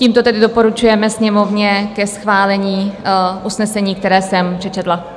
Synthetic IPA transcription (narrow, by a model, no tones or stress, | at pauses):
ciːmt̪ot̪ɛdɪdopo̞ɾut͡ʃujɛmɛsɲɛmo̞vɲɛkɛsxvaːlɛɲiːʔusnɛsɛɲiːk̚t̪ɛɾɛːsɛmpr̥ɛt͡ʃɛt̪la